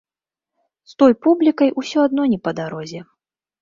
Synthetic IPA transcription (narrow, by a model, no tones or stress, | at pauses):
st̪ɔjpublʲikɐjʔusʲɔad̪nɔnʲɛpɐd̪aɾɔzʲɛ